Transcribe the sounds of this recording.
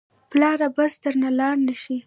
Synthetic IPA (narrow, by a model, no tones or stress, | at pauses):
plɑɾabasd̪əɾnalɑɽnəʃi